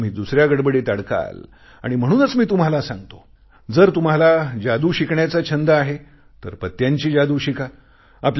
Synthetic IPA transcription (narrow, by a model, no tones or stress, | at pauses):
m̤iːd̪usɾjaɡəɽbəɽet̪aɽka̰l | a̰ɽ̃im̤əɽ̃uːnət͡smiːt̪um̤alasãŋɡt̪o̥ | d͡zəɾt̪um̤alad͡ʑad̪uːɕikɳjat͡sat͡ɕʰənd̪aaɦe | t̪əɾpət̪ːjaɲt͡ɕiːd͡ʑad̪uːɕika | apl